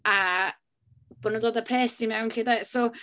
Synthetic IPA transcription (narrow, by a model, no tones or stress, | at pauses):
a | b̥ɔnədoːdəpʰrɛːsdimɛwnɬidɛso